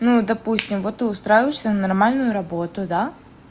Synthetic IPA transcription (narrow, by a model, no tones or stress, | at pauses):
nud̪ɐpusʲtʲɪmvot̪ːɨʊst̪ɾajɪvəɪʂsʲənɐnɐrmalʲnʊjʊɾɐbo̞t̪ʊd̪a